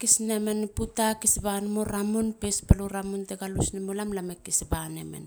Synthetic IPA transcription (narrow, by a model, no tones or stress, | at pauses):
kisnemenputakisbanmoɾamunpespaluɾamunteɡalusnemolamlamekisbanḛme̞̰n